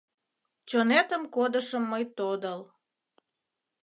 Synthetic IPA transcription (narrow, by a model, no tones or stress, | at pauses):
t͡ɕonet̪əmkod̪əʃəmːəjt̪od̪əl